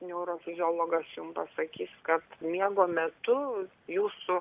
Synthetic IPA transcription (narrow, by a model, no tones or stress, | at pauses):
nʲɛʊɾoːfʲɪzʲoːlˠoːɡɐsjʊmpɐsɐkʲiːskɐt̪mʲiɛɡoːmʲɛt̪ʊ | juːsʊ